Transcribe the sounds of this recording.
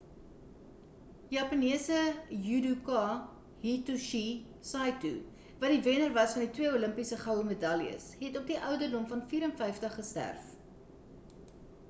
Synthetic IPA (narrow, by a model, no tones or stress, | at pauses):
jɑːpɐniəsəjudukɑ | ɦituʃi | sɑjtṵ | vɐdivenərvɐsfɐnditwiəuləmpisəχɐwəmədɐlḭə̰sɦɛtɔp̚diʔœwdərdɔmfɐnfiːɾənfɛjftəχːəstæ̰rf